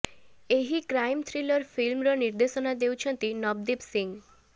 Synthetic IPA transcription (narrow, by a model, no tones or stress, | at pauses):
eɦikɾajmt̪ʰɾilɔɾfʰilmɾɔniɾd̪esɔnad̪ewt͡ʃʰɔnt̪inɔbd̪ibsiŋ